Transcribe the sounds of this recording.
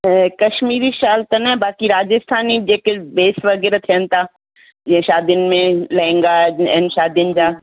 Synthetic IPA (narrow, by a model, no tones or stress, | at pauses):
kɐʃmiːɾiʃaːlt̪ənɐbaːkiɾaːd͡ʑəst̪ʰaːnid͡ʑeːkbeːsʋɐɣɛːɾat̪ʰijənɪ̆t̪ʰaː | d͡ʑɛ̃ẽʃaːd̪jənɪ̆mẽlɐɪ̃ŋ̆ɡaɛ̰̃ːnʃaːd̪jənɪ̆d͡ʑaː